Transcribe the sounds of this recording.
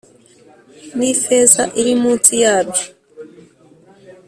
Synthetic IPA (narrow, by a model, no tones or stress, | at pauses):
mifezaʔiɾimuːt͡sijaːbjo